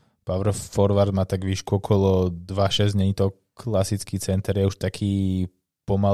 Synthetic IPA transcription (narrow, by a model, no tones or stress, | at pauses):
paʋɾfɔɾʋaɾd̪maːt̪aɡʋiːʃkuɔkʰɔlɔd̪ʋaʃɛzɲɛɲit̪ɔ | kʰlasit͡skiːt͡sɛnt̪ɛɾjɛuʃt̪akʰiː | pɔma